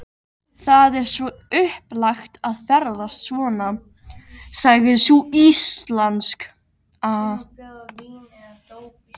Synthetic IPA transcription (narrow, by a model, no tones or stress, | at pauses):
θaðɛɾ̥svɔ | ʏhplaxt̪aðfɛɾðasvɔːna | saːɣʏðsuist̪lansk | a